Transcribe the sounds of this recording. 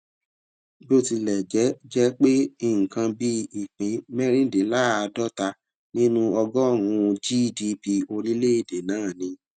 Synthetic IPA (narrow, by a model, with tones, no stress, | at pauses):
bi˦o˦˨ti˧lɛ˨d͡ʒɛ˨˦d͡ʒɛ˦k͡pe˦i˧˨ŋ̩̃˨kã˧bi˧i˨k͡pĩ˨˦mɛ˦ɾ̃ĩ˦˨de˨la˦a˧dɔ˦ta˧ | nĩ˦nũ˦ɔ˧ɡɔ˦o˦˨w̃ũ˧d͡ʒi˦˨di˧pi˧o˧ɾi˦le˦i˦˨de˨nãː˦˨nĩ˧